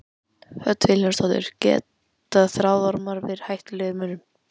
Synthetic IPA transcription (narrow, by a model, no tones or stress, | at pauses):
hœt̪ːvɪlḁst̪ɔt̪ʏ̰ɾ̥cɛ̰ːt̪ | aðθɾawðɔɾmaɾvɪð̥hajht̪lœɣʏmʏnʏm